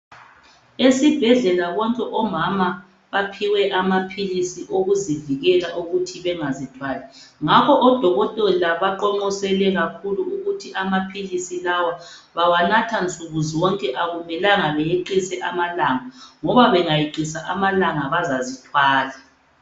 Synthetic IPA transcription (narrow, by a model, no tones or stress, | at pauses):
esib̥ʱɛɮɛlaβɔŋkʼɛʔɔmama | βapʰiwɛʔamapʰilisiʔoɣuziviɣɛlaʔuɣutʰiβɛŋazitʰwaːlɛ | ŋakʰɔʔɔd̥ʱɔɣɔtʼɔlaβaǃɔŋ͡ǃɔsɛlɛɣakʰuluuɣutʰiʔamapʰilisilawa | βawanatʰant͡sʼuɣuziwɔŋkʼɛʔaɣumɛlaŋaβɛjeǃisɛʔamalaŋaŋɔβaβɛŋajiǃisaʔamalaŋaβazazitʰwaːla